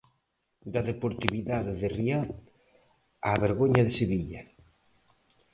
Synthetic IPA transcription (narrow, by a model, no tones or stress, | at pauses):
d̪aðepoɾt̪iβiðaðeðeriað | aβeɾɣoɲɐðeseβiʎɐ